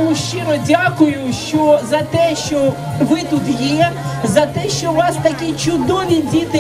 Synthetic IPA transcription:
ʊʃt͡ʃɪɾɔdʲakʊjʊʃt͡ʃɔzɐt̪ɛʃt͡ʃɔ | ʋɪt̪ut̪jɛzɐt̪ɛʃt͡ʃɔʋɑst̪ɐkʲit͡ʃʊd̪ɔʋʲidʲit̪ɪ

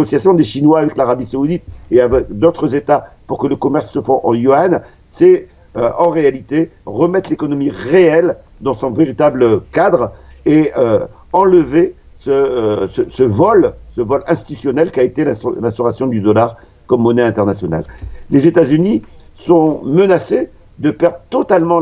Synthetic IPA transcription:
ɔsjasjɔ̃d̪eʃinwaːvɛklaʁabisaud̪it̪̚eavɛkd̪ot̪χəzet̪apuʁkələkɔmɛʁsːəfɔ̃ʔɑ̰̃joan | sɛ | øɑ̃ʁealit̪eʁəmɛt̪lekɔnɔmiʁeɛl | d̪ɑ̃sɔ̃veʁit̪abləkad̪ʁeø | ɑ̃ləve | səsəsəvɔlsəvɔlɛ̃st̪i̥t̪t̪ysjɔnɛlkʲaet̪elɛ̃lɛ̃st̪ɔʁasjɔ̃d̪yd̪ɔlaʁ | kɔmːɔnɛɛ̃t̪ɛʁnasjɔna̰lːezet̪azyni | sɔ̃mənase | d̪əpɛʁd̪ʁt̪ɔt̪almɑ̃

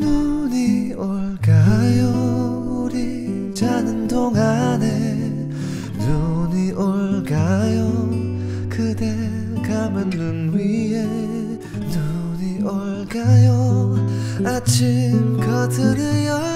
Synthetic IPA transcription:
nuni | oɭkajo | uɾi | d͡ʑanɯndoŋane | nuniʔoɭkajo | kɯd̪e | kamɯnːɯnwie | nu | niʔoɭkajo | at͡ɕʰimkʌtʰɯɾɯjʌ

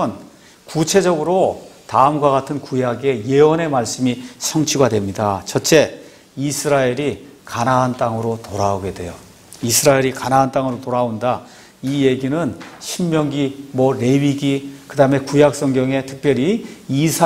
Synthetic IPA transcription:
n | kut͡ɕʰe̞d͡ʑʌɡɯɾotaɯmɡwaɡatʰɯnkujaɡe̞je̞ʌne̞maɭs͈ɯmisʰʌŋt͡ɕʰiɡadwe̞mɲidat͡ɕʰʌtt͡ɕ͈e̞ | isʰɯɾaeɾikanaɦant͈aŋɯɾotoɾaoɡe̞dwe̞jo | isʰɯɾaeɾikanaɦːnt͈aŋɯɾotoɾaonda | ije̞ɡinɯnɕʰimmjʌŋɡimʌɾe̞ɥiɡikɯdaɦɯme̞kujak̚s͈ʌŋɡjʌŋe̞tʰɯ̥k̚p͈jʌɾiisʰ

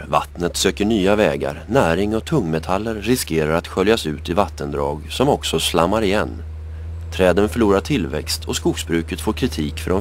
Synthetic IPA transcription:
va̰t̪nət̪søːkəɳyːavɛːɡa̰ɾnæːɾɪŋɔt̪ʰɵŋːmɛt̪ʰalːəɾːɪskeːɾaɾat̪ɧœljasʉ̟ːt̪ɪvat̪ʰːənd̪ɾɑːɡsɔmɔksɔslamːaɾɪjɛnː | t̪ʰɾɛːd̪ənfœɭuːɾaʈʰɪlvɛ̰kst̪ʰɔskʊksbɾʉ̟ːkət̪foːɾkʰɾɪt̪ʰiːkfœɖɔm

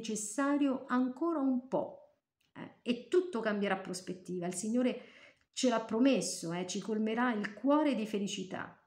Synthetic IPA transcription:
t͡ʃesːaːɾjoʔaŋkoːɾaumpɔ̰ | ɛ̰et̪ːut̪ːokambjeɾapːɾospet̪ːiːvailsiɲːoːɾe | t͡ʃelapːɾomesːoɛt͡ʃikolmeɾailkwɔːɾed̪ifelit͡ʃit̪a̰

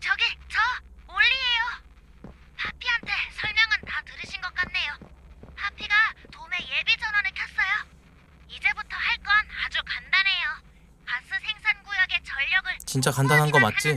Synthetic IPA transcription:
t͡ɕʌɡit͡ɕʌoʎːie̞jo | pʰapʰiɦantʰe̞sʰʌɭmjʌŋɯntatɯɾɯɕʰinɡʌk͈anːe̞jopʰapʰiɡatome̞je̞bid͡ʑʌnwʌnɯɭkʰjʌs͈ʌjo | id͡ʑe̞butʰʌhaɭk͈ʌnad͡ʑukandanɦe̞jo | kas͈ɯsʰe̞ŋsʰanɡojʌɡe̞t͡ɕʌʎːʌɡɯɭt͡ɕint͡ɕ͈akandanɦanɡʌmat͡ɕ͈i

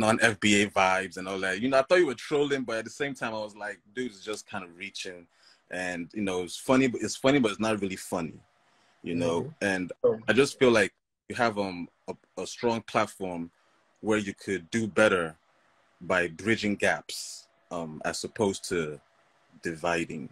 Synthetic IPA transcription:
nə̃nɛfb̥ieɪvaɪvzɨ̃nɔlˠðæt̚jɨnoʊaɪθɔtt͡ʃ̚ɨwə˞tʰɹ̥oʊlˠɪ̃ŋbʌɾɨt̪̚ðɨsẽɪ̃mtʰãɪ̃maɪwʌzlaɪk̚dʉɨsd͡ʒʌskʰãɪ̃ndʌvɹit͡ʃɪ̃ŋ | ʔɨ̃njɨnoʊɨɪtsfʌnibʌɾɨtsfʌñibʌɾɨtsnət̚ɹɪlˠifʌnḭ | jɨnoʊɨ̃naɪd͡ʒʌstfilaɪk̚ | jɨəvʌ̃m | ə | əstɹ̥ɔ̃ŋpʰl̥ætfɔɹm | wə˞jɨkʰɨdɨbɛɾə˞ | baɪbɹɪd͡ʒɪ̃ŋɡæps | ʌ̃mɨ̰z̥sɨpʰoʊz̥tʰɨ | dɨvaɪɾɪ̰̃ŋ

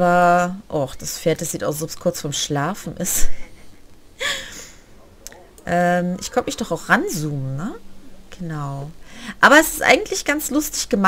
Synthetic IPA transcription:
bɐʔɔχd̥asfeːɐt̚d̥asz̥iːtaʊs̬zoːskʰʊɐt͡sfɔɐmʃlaːfn̩ʔɪs | ʔɛːmʔɪçkʰɔntəmɪçd̥ɔχaʊxʁanzuːmənnəɡ̥ənaʊʔaːbɐɛsɪ̥stʔa̰ɪɡŋ̩tʰlɪçɡ̥ant͡slʊstɪçɡ̥əma

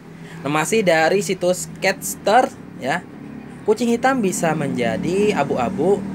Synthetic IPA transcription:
nəhmasɪhdaɾisit̪ʊskɛt̪̚st̪ər | ja | kut͡ʃɪŋhit̪ambisaməɲd͡ʒadiabuabu

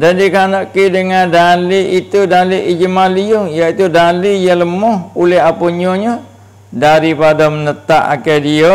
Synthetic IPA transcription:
dandikanaʔkidəŋandaliʔit̪udaliʔid͡ʒəmalijʊŋjait̪udalijaləmɔhulɪɦapoɲoɲa | daɾipadamənət̪aʔa̰kedio

